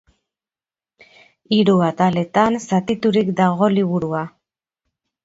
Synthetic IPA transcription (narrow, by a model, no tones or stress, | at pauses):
iɾuat̪ale̞t̪ansat̪it̪uɾikd̪aɣo̞liβuɾua